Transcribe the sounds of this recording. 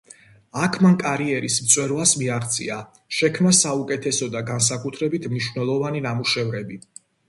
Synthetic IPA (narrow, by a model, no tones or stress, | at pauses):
akʰmaŋkʼaɾiɛɾismt̪sʼwɛɾvasmiaχt̪sʼḭa | ʃɛkʰmnasaukʼɛt̪ʰɛsɔd̪aɡans̬akʼut̪ʰɾɛbit̪ʰmniʃwvnɛlˠɔvaninamuʃɛvɾɛbi